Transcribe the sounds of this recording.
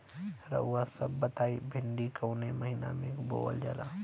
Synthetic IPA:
ɾɐ̰uasɐbːət̪aːibʱɪɳɖikɐwneməɦina̰mẽbo̰ːə̰ld͡ʒa̰la

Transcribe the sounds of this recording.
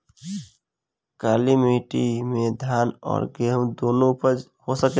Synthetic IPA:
kalimiʈimẽd̪ʱjaːnɔ̰ːɾɡemd̪oːnõpəhosəke

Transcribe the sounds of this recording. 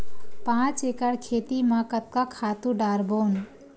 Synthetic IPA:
pãːt͡ʃeːkəɽkʰeːt̪imãkət̪̚kakʰaːt̪ũɖaːɾboːn

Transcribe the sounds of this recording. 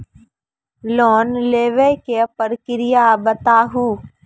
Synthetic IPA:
lɔːnleːʋekepəɾkɪɾɪjabət̪aːɦuː

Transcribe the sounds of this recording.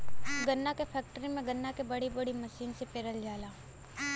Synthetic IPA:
ɡɐnːakepʰɛːk̚ʈəɾimẽɡɐnːakebɐɽibɐɽimɐʃiːnsepeːɾəld͡ʒaːlaː

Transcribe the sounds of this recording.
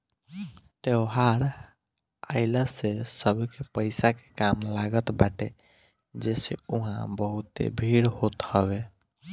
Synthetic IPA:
ʈ̪eʊɦaɾ | aɪləsesəbʱkepəɪsake̥kamlaɡət̪baʈe | d͡ʒɛːseuɦãbəɦut̪ḛbʱiɾhot̪həbe

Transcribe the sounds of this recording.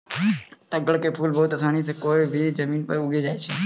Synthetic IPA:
t̪əɡəɽkepʰuːlboːʊt̪əsʰaːɽ̃iːsekoːibʱiːd͡ʒəmĩːnpəʊɡʱed͡ʒaːet͡ʃʰeː

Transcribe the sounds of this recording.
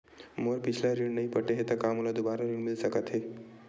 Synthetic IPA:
moɾpit͡ɕʰlaɾiɳnaɦipəʈeɦet̪akamulad̪ubaɾaɾiɳmilsəkat̪ɦe

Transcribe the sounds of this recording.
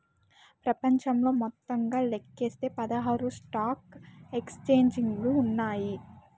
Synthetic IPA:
pɾɐpɐɲt͡ʃɐmlo̞ːmɔt̪ːɐŋɡaːlekːe̞ːst̪e̞ːpɐd̪ɐɦaːɾusʈaːkekst͡ʃeːɲd͡ʒiŋɡlunːaːji

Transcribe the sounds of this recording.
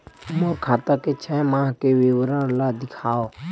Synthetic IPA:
mõːkʰaːt̪ãːket͡ʃʰɛːmãːɦkeʋeʋɾəɾlaːd̪ɪkʰaːoː

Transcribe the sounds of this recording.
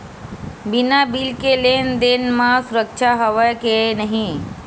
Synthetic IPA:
binabilkelend̪enmãsuɾək̚t͡ʃʰaɦəʋəjkenəɦĩ

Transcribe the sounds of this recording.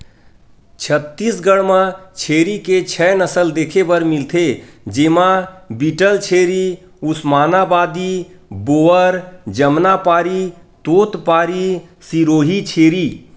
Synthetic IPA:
t͡ʃʰət̪ːisɡəɽmət͡ʃʰeːɾiket͡ʃʰɛnəsəld̪ekʰebəɾmilt̪ʰed͡ʒemãbiʈəlt͡ʃʰeːɾi | usmaːnabaːd̪iboːəɾd͡ʒəmnapaːɾi | t̪oːt̪paːɾisiɾoːɦit͡ʃʰeːɾi

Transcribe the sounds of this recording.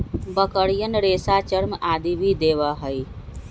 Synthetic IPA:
bəkəɽijənɾeːsat͡ʃəɾmaːd̪ibʱid̪eːʋaɦəi

